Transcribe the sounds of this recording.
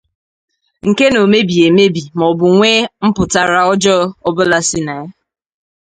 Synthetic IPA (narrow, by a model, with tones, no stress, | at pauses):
ŋ̩˨ke˦no˨me˦bi˨e˨me˦bi˨mɔ˨bʊ˨ŋʷe˦m̩˦pʊ˨ta˨ɾa˨ɔ˦d͡ʒɔ˦ɔ˦bʊ˦la˦sɪ˦na˨˦